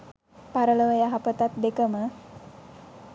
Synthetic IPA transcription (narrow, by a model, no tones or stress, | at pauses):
paɾələʋəjaɦapət̪at̪̚d̪ekəmə